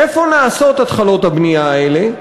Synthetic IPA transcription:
efoːnaɐsoːt̪ɐt̪xɐloːt̪ɐbniaːele

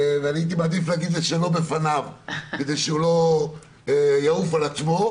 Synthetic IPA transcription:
vanit̪imad̪iflaɡid̪leʃelo̞be̞fanavke̞d̪ejʃeulo̞ | jaufalat͡smo̞

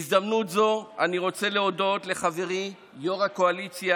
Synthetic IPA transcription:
zdamnutzo̞aniʁo̞t͡se̞leo̞do̞tle̞χave̞ʁi | joʁako̞alit͡sja

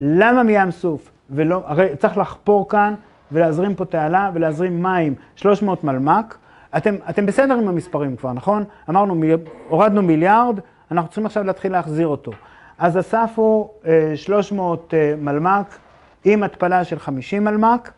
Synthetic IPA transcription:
lamamijamsuf | velo̞ʔaʁejt͡siχlaχpo̞ʁkan | veleazʁimpo̞tealaveleazʁimːaimʃlo̞ʃmeot̪malmak | at̪e̞mate̞mbese̞de̞ʁimamispaʁimkvaʁnaχo̞n | amaʁnumoʁad̪numiljaʁd̪ | anaχnut͡s̪iχimaχʃavleːt̪χilːeaχziʁo̞t̪o̞ | ʔazasafueʃlo̞ʃmooːtmalmak | imat̪palaʃe̞lχamiʃimːalmak

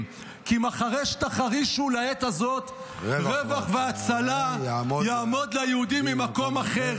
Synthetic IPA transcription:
kimaχaʁejʃt̪aχaʁiʃulaet̪azo̞t̪ | ʁevaχveat͡salajaːmo̞d̪lajehud̪imːimako̞maχeʁ

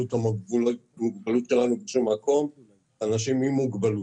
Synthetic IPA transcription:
ut̪aulmuɡbalut̪ʃelanubeʃummako̞m | aːnaʃimhimuɡbalu

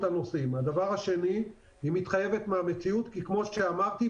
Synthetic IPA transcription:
tano̞simad̪avaʁhaʃe̞ni | imit̪χaje̞vet̪meame̞t͡siut̪kikmo̞ʃeamaʁt̪i

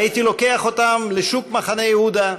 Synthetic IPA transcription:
ajit̪ilo̞ke̞aχo̞t̪amleʃukmaχane̞jehud̪a

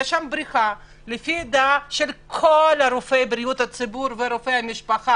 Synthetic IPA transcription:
ʃambɾiχa | lefid̪aʃelkʰolaɾofejbɾijut̪hat͡sibuɾveɾofejhamiʃpaχa

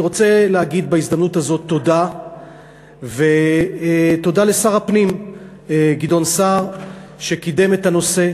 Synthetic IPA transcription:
ʁo̞t͡se̞lehaɡid̪baizd̪amnut̪hazo̞t̪ːo̞da | ve | t̪o̞dale̞saʁapnim | ɡid̪o̞nsaʁʃe̞kid̪e̞me̞thano̞se̞

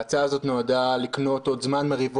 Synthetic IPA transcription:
t͡saːzo̞t̪noadalikno̞to̞dzmanmeʁiv

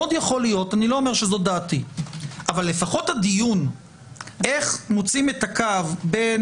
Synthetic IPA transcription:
od̪jaχo̞lijo̞tanilo̞ːme̞ʁʃezo̞datiʔavalːe̞faχo̞thadijun | ʔe̞χmot͡simetakavbe

